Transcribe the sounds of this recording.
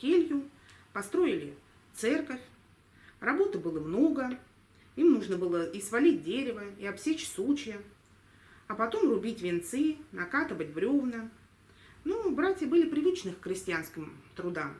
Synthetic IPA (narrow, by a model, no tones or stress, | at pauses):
kʲelʲjʊ | pɐst̪ɾo̞ɪlʲɪ | t̪sɛrkəfʲ | rɐbo̞t̪ɨbɨlˠəmno̞ɡə | imnuʐnəbɨlˠəʔisvɐlʲit̚ʲdʲeɾʲɪvəiɐbsʲet͡ɕsut͡ɕjə | ɐpɐt̪o̞mrʊbʲitʲvʲɪnt̪sɨnɐkat̪ɨvət̚ʲbɾʲovnə | nubɾatʲjəbɨlʲɪpɾʲɪvɨt͡ɕnɨxkɾʲɪsʲtʲɪanskʲɪmt̪ɾʊd̪am